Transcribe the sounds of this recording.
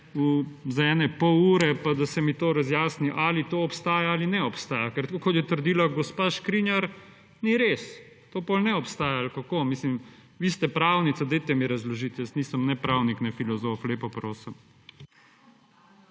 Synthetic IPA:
uzaɛːnɛpɔwuːɾɛpad̪asɛmit̪oːɾazjaːsniʔaːlit̪oːɔpst̪aːjaalinɛɔpst̪aːjakɛɾt̪kokɔt̪jɛt̪əɾd̪iːlaɡɔspaʃkɾinjaɾ | niɾes | t̪oːpolnɛɔpst̪aːjaːlkakoːmiːslim | ʋiːst̪ɛpɾawnit̪sad̪ejt̪ɛmiɾɐzlɔʒit̪jɛst̪nisəmnɛpɾawniknɛfilɔzoːfleːpɔpɾoːsəm

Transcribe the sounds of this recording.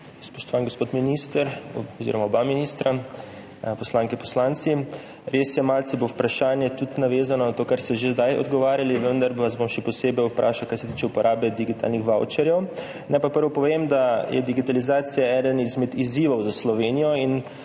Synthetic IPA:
spɔ̥ʃt̪ɔʋaŋɡospoːt̪minist̪əɾɔzḭɾɔmaɔbaminist̪ɾa | pɔslaːŋkɛpɔslant̪si | ɾesjɛmaːlsibowpɾaʃaːnjɛt̪ut̪naʋeːzanɔnat̪oːkaɾst̪ɛʒezd̪ajɔ̰d̪ɡɔʋaːɾjaliʋənd̪aɾʋazbomʃɛpɔseːbɛjupɾʔaːʃawkajsɛt̪iːt͡ʃɛupɔɾʔaːbɛd̪iɡit̪a̰ːlnixʋawt͡ʃɛɾjɛw | nɛpapəɾʋɔpɔʋemd̪ajʔɛ̰d̪iɡit̪alizaːt̪sijaɛd̪ənizmɛd̪iziːʋɔwzaslɔʋeːnijɔin

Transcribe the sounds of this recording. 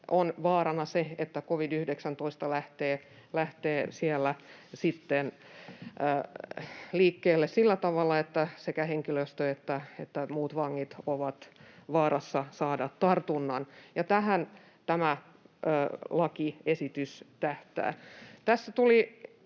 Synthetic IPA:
ʔonʋɑːɾɑnɑseet̪ːækoʋidyhdeksænt̪oist̪ɑlæht̪eː | læht̪eːsielːæsit̪ːenː | liːkːeːlːessilːæt̪ɑʋɑlːˑɑet̪ːæsekæheŋkiløst̪øet̪ːæet̪ːæmuːt̪ʋɑŋːit̪oʋɑt̪ʋɑːɾɑsːɑsɑːdɑt̪t̪ɑrt̪unːɑnjɑt̪æhæn | t̪æmæː | lɑkiesit̪yst̪æht̪æ̰ːt̪æsːæt̪uli

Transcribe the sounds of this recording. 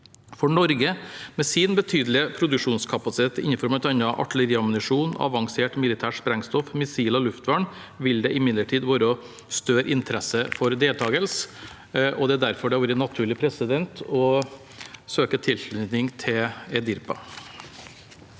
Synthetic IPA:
fɔɳɔɾɡəmɛːsɪːnbət̪ʰyːd̪lɪəpʰɾʊd̪ʉkʂuːnskʰɑpɑsɪt̪ʰeːt̪ɪ̰nːəfɔɾmɑɛt̪ɑnːɑʔɑ̰ʈːələɾiːɑmʊnɪʂuːnɑ̰ʋɑŋseːʈmɪlɪt̪ʰæːʂpɾɛŋst̪ɔfmɪsiːlɔlʉft̪ʋɑɳ | ʋɪld̪ɛʔɪmɪd̪ləʈʰiːd̪ʋɑːɾəɔ | st̪øːɾʔɪnt̪ʰəɾɛsəfɔɾd̪eːlt̪ʰɑːɡəls | ʔɔd̪ɛæd̪æɾfɔɖɛhɑɾʋuːɾənɑt̪ʰʉːɭɪpʰɾɛsɪd̪ɛnt̪ʰɔ | søːkət̪ʰɪlʃlʉt̪nɪŋt̪ʰɪlɛd̪ɪɾpɑ̰

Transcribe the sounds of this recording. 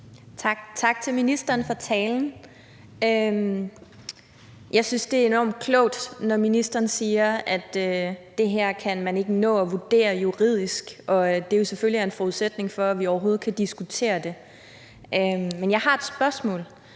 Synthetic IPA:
t͡sʰɑ̈ɡ̥t͡sʰɑ̈ɡ̥̚t͡sʰe̝lminisd̥ɐːnfɒ̈t͡sʰɛːln̩ | øm | jɑ̈ɪsynsd̥e̝æɐe̝nɒ̰ːmd̥̚kʰlɔʊ̰d̥nɒminisd̥ɐːnsiːɐæd̥ø̥ː | e̝ɦæɐ̰kʰænmæne̝ɡ̥ənɔ̰̽ːɒʋud̥e̝̰ːɐjuʁið̞̰ˠisɡ̥ʔɒ̽d̥e̝jo̝seføliæɐe̝nfɒuðˠsed̥ne̝ŋfɒ̽æʋiɒʊɐɦo̝ːð̩ˠkʰæd̥isɡ̥ut͡sʰe̝̰ːɐd̥e̝ | ʔømenjɑ̈ɪɦɑ̈e̝d̥sb̥ɶɐsmɔ̰̽ːl

